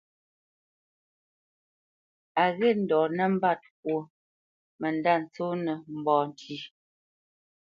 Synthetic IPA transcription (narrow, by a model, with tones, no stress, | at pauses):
a˨ɣɛ˦˨n̩˨dɔ˨nɛ˦m̩˦ba˦˨t̚k̚wo˨ | mɛ˨n˨da˦˨n̩˨t͡so˦nɛ˨m̩˨bɔː˨n˨tʰi˦